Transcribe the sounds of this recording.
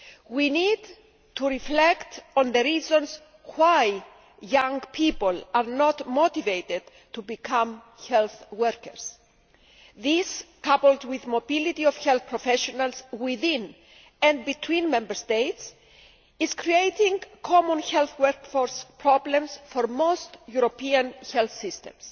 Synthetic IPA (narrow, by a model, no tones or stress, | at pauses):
winid̪ | t̪uɾiflɛkt̪õnðəɾizõns | waj | jãŋɡpʰipolaɾnɔt̪mot̪ivejt̪ed̪ | t̪ubikʰãm | çɛlθwɛɾkəɾs | ðiskapəldwiðmobilit̪iovçelθpɾofeʃonalswiðĩn | ɛ̃ndbit̪ʰwĩnmẽmbəɾst̪ejt̪s | iz̥kɾiejt̪ĩŋkʰɔmõnçelθwɛɾkfoɾspɾɔblẽmsfoɾmost̪juɾopiɐ̃nçɛlθsist̪ḛ̃ms